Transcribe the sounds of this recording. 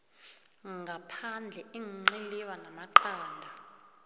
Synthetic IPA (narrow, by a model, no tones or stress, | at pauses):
ŋʱapʰand͡ɮʱɛiŋiŋ͡ǀiliwanamaǃaːndʱa